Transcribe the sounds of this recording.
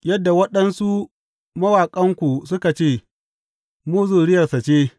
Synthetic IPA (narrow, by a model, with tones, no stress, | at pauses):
jɐ˦dːa˨wɐ˦ɗɐ˦nsu˦ | mɐ˦waː˨kʼɐ˦ŋkʷu˨sʊ˦ka˨t͡ʃeː˦˨ | muː˦zuː˨ɽɪ˦jɐ˨rsa˨t͡ʃeː˦